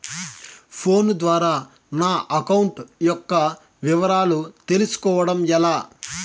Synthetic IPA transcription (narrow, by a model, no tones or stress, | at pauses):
pʰo̞ːnd̪ʋaːɾaː | naːʔɐkɐwuɳʈjɔkːɐ | ʋiʋɐɾaːlut̪e̞lusu̥kɔːʋɐɽɐmɛlaː